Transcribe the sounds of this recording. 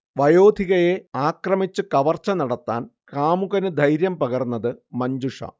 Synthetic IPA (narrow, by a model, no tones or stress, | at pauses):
ʋɐjo̞ːd̪ʱiɣɐje̞aːkrɐmit͡ɕːɨkɐʋɐrt͡ɕːɐnɐɽɐt̪ːa̰ːnkaːmuɣɐnɨd̪ʱɐjɾjɐmpɐɣɐrnːɐðɨmɐɲd͡ʑuʂɐ̰